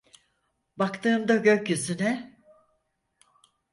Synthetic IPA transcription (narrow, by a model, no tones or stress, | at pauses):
bakt̪ʰɯːmd̪aɟø̞cjyzynɛ